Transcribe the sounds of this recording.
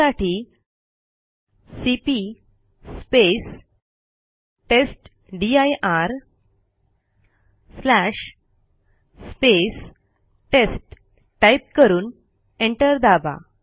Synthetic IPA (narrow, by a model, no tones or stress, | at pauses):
aʈi | sipi | spes | ʈesʈ | ɖiajʔaɾ | slæʂ | spes | ʈesʈ | ʈajp̚kəɾuːn | eɳʈəɾd̪aba̰